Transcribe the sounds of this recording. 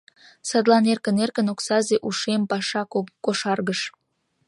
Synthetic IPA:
sɑd̪lˠɑnerkənerkənoksɑzeʔuʃempɑʃɑkokoʃɑrɣəʃ

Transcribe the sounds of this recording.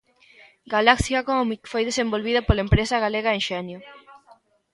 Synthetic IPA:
ɡalaksjakomikfojðesembolβiðɐpolaempɾesaɣaleɣaeŋʃɛnjo

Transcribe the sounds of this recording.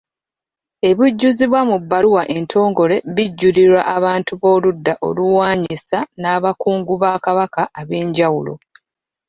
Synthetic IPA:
e̞βuɟːuziβwamubːaluwaʔe̞ntʰo̞ːŋɡo̞le̞βiɟːuliɾwaʔaβaːntuβo̞ːludːaʔo̞̰luwaːɲisanaːβakuːŋɡuβaːkaβakaʔːβe̞ːɲɟawulo̞̰

